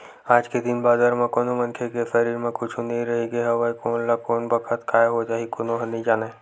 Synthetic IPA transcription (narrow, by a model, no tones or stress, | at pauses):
aːd͡ʒked̪ɪnbaːzaɾmẽkoːnomɐ̃nkʰekefəɾiːɾmẽkʊt͡ʃʰunɐɦiɾɐɦeɡeɦɛʋəkoːnlakɔːnbɐkʰət̪kʰaːjɦod͡ʒaːɦikonoɦɐnid͡ʒaːne